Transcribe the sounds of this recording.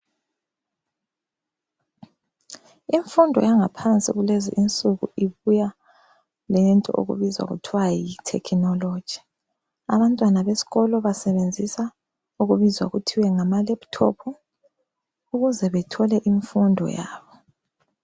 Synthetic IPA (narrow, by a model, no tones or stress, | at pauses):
iɱfundʱɔ̰jaŋapʰant͡sʼḭɣulezḭʔint͡sʼuɣṵiβuja | lɛntʼɔ̰ʔo̰ɣṵβizwa̰ɣṵtʰiwajitʰɛ̰kʰinɔlo̥ʒ̥ʱi̥ | a̰βantʼwanaβesi̥ɣɔlɔβasɛβend͡zʱisa | uɣuβizwa̰ɣutʰiwɛŋamalɛptʰɔ̰pʰu | uɣuzɛβɛtʰɔlɛʔiɱfundʱɔ̰ja̰ːβɔ